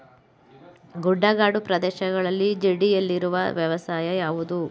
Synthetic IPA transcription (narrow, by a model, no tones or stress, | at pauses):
ɡuɖːaːɡaːɖupɾɐd̪ɛːʃɐɡɐɭɐlːid͡ʒeɖijɐlːiɾuʋɐ̰ʋjɐʋɐsaːjɐjaːʋud̪u